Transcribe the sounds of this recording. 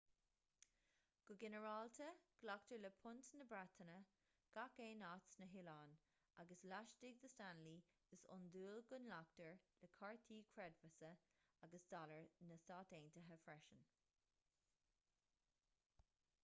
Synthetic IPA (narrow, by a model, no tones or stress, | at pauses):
ɡ̥ʊɡɛnəɹɑlt̪ʰəɡ̥lak̚təɹləpʰʊnt̪nəbɹat̪ʰənə | ɡ̥akeːnat͡snəɦɪlɑːn | aɡəslaʃdɪɡ̚d̪əstanli̥ | əsʊ̰nd̪uːlɡʊnlaktəɹləkʰɑɹt̪ʰiːkʰɹɛdvəsə | aɡəsd̥̪ɑləɹnəstɑːteːntəɦəfɹɛʃən